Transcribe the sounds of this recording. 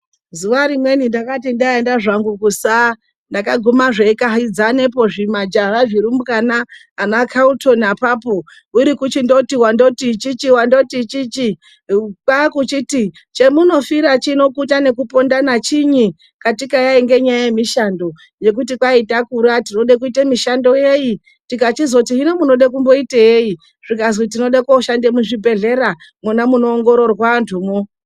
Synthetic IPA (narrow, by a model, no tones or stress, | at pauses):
zuʋaɾimwe̞nindakat̬indaendaʐaŋɡukusa | ndakaɡʱumaʐekaɦid͡zane̞po̞ʐimad͡ʒaraʐiɾumukanaː | nakʰaunto̞napaːpo̞ | uɾikut͡ʃindo̞tiwando̞tit͡ʃit͡ʃiwando̞tit͡ʃit͡ʃi | kwakut͡ʃiti | t͡ʃe̞muno̞fiɾat͡ʃino̞kutane̞kupo̞ndanat͡ʃiɲi | katikajaiŋɡe̞ɲajajemiʃando̞ | je̞k̬ut̬ikwaitakuɾatino̞ɗek̬uitemiʃando̞je̞ji | tikatizotiɦino̞muno̞ɗek̬umbo̞itejei | ʐ̥ikazwit̬ino̞ɗakoʃandemuʐibʱe̞ɮe̞ɾa | munamuno̞ːŋɡo̞ɾo̞rwantʰuːmo